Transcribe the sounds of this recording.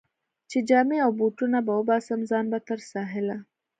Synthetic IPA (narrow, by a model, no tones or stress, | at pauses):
t͡ʃid͡ʒaːmeawbuʈunabawbaːsɐmzɑːnbɐt̪ɐɾsaːɦɪla